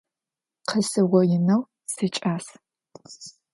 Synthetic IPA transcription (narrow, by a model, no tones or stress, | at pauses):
qʰɐsɨʁʷɔjɪnɐw | sɨt͡ʃʼaːs